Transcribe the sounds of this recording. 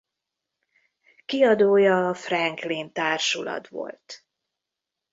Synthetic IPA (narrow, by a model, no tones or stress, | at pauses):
kiɒd̪oːjɒːfrɛŋklint̪aːrʃulɒ̰t̪ʋo̞̰lt̪